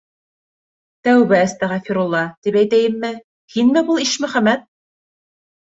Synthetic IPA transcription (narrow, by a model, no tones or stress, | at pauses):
t̪æwβɘæst̪æʁæfiɾulˠːɑt̪ipæjt̪æjɘ̆mːɘ | hinmɘbulˠiʃmɵ̆χæmæt̪̚